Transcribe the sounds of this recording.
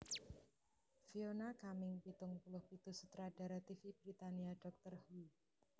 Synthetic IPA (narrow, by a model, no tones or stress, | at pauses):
fionakamɪŋpit̪ʊŋpulʊhpit̪usut̪ɾad̥aɾat̪ifib̥ɾit̪aniaɖɔk̚t̪ərhui